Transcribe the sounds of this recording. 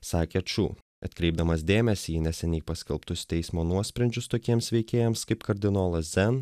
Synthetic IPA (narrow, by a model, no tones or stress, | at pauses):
sɑːkʲeːɐt͡ʃʲṵː | ɐ̰t̪ʲkɾʲɛɪbd̪ɐmɐsd̪ʲeːmʲɛsʲinʲɛsʲɛnʲɛɪpɐsʲkʲɛlˠpt̪ʊsʲt̪ʲɛɪsmoːnuɔsʲpʲɾʲɐnʲd͡ʒʲʊst̪oːkʲiɛmsʋʲɛɪkʲeːjɛmskɐɪpkɐɾʲd̪ʲɪnoːlˠɐszʲɛn